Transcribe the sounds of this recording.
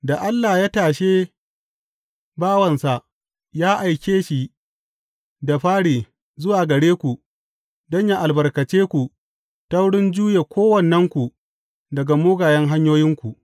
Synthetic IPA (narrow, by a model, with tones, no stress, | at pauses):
da˨ʔa˦lːa˨jaː˦taː˨ʃeː˦ | baː˦wɐ˨nsa˨ʔ | jaː˦ʔa˨jkʲeː˦ʃi˨ | da˨ɸaː˦ɽiː˨ | zʊ˦waː˨ɡɐ˨ɽeː˦kʷu˨ | dɔ˦ɲja˦ʔa˨lbɐ˨rkɐ˨t͡ʃeː˦kʷu˨ | ta˦wɽɪ˦nd͡ʒuː˦je˨kʷoː˦wɐ˨nːɛ˦ŋkʷu˨ | dɐ˨ɡa˨mʊː˦ɡaː˨jɐ˦ŋɦa˦ɲjoː˦jɪ˦ŋkʷu˨ʔ